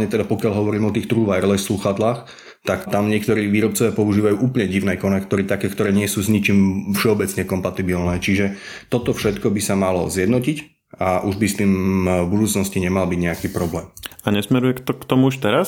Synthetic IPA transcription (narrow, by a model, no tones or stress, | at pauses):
ɲɛt̪ɛd̪apɔkɪaʎɦɔʋɔɾiːmɔt̪iːxt̪ɾuʋaɛɾlɛsluxad̪laːx | t̪akt̪amɲɪɛk̚t̪ɔɾiːʋiːɾɔp̚t͡sɔʋjaːpɔuʒiːʋajuːʔuːpl̩ɲɛɟiʊnɛːkɔnɛkt̪ɔɾiːt̪akɛːkt̪ɔɾɛːɲɪɛsuːzɲit͡ʃiːmfʃɛɔbɛt͡sɲɛkɔmpat̪ibilnɛːt͡ʃiʒɛ | t̪ɔt̪ɔfʃɛt̪kɔbisamalɔzjɛd̪nɔcic | aʔuʒbist̪iːmvbud̪uːt͡snɔsciɲɛmalbiɟɲɛakiːpɾɔblɛːmaɲɛsmɛɾujɛkt̪ɔkt̪ɔmuuʃt̪ɛɾas